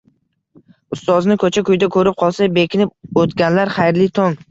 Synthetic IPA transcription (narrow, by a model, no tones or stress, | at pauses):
ʊst̪ɒznɪkʰɵt͡ʃʰakʰʊjd̪akʰɵɾɪp̚qʰɒlˠsabekʲʰɪnɪp̚ot̪ɡʲanlaɾχajɾlɪt̪ʰoŋ